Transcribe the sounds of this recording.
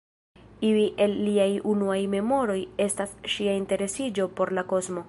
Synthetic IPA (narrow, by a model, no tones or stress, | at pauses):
iliʔe̞lːiajunuajme̞mo̞ɾo̞je̞stasʃiainte̞ɾe̞sid͡ʒo̞po̞ɾlako̞zmo̞